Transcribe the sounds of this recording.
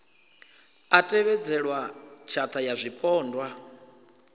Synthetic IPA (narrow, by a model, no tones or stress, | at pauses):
atʼɛβɛd͡zɛɺwat͡ʃʰat̪ʰajazʷipʼɔːndwa